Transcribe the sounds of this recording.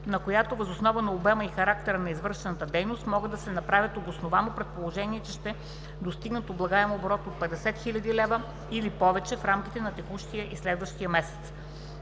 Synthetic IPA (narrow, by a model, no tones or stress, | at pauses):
nɐkojat̪ovəzosnɔvənɐobɛməixɐɾak̚t̪ɛɾənɐizvɤɾʃɛnət̪əd̪ɛjnost̪mɔɡəd̪d̪ɐsɛnɐpɾavʲət̪od̪osnovanopɾɛt̪̚polˠoʒɛniɛt͡ʃɛʃt̪ɛ | d̪ost̪iɡnət̪oblˠɐɡaɛmobɾɔt̪ot̪̚pɛd̪ɛsɛt̪xilʲɐd̪ilɛvə | ilipɔvɛt͡ʃɛfɾamkʲi̥t̪ɛnɐt̪ɛxuʃt̪ijəʔislɛd̪vəʃt̪ijəmɛsɛ̥t̪s